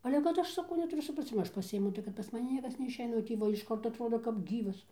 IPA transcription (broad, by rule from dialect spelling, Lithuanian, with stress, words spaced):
ˈɑːlʲɛ kɐt ˈɐʃ sɐˈkɐʊ nʲɛtʊˈrʲʊ sʊprɐˈt͡sʲɪmɐ ˈɐʃ pɐsʲɪˈɪmʊ tɐɪ kɐt pɐs mɐˈnʲɪ ˈnʲiɛkɐs nʲɛɪʃʲˈɛɪnɐ oː tʲiː ˈʋɐ ɪʃˈkɐrt ɐtˈroːdoː kɐp ˈɡʲiːʋɐs